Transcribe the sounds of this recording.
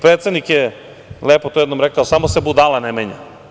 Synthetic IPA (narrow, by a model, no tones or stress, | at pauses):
pɾet̪sed̪nikje | leːpot̪ojed̪nomɾekaosamosebud̪alanemeɲa̰